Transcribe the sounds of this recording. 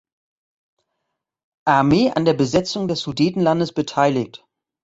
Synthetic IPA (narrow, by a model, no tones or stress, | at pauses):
ʔaɐmeːʔa̰ndeːɐbəzɛt͡sʊŋdɛsz̥udiːtn̩landəsb̥ətʰaɪlɪk̚t